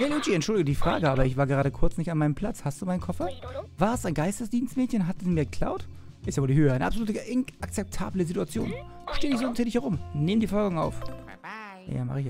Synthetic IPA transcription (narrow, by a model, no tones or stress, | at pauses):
jalut͡ʃiɛntʃʊldɪɡədiːfʁ̥a̰ːɡəʔaːbɐɪçv̥aːɐɡəʁaːdəkʰʊɐt͡snɪçtanmaɪnəmpʰl̥at͡shastd̥uːmaɪnkʰɔfɐvaːɐɛstaɪnɡaɪstəsd̥iːnstmɛːtçənɦatsmiːɐɡəkʰl̥a̰ʊt | ʔɪstjavoːldiːhøːəʔaɪnə̰ʔapzoluːtəʔɪnʔak̚t͡sɛp̚tʰa̰ːbləzituat͡sjo̰ːn | ʃteːdɪçz̥oːɪnszeːdɪçhɛʁʊmneːmdiːfɔlɡŋa̰ʊf | na̰ja̰ːma̰χəɪçɛ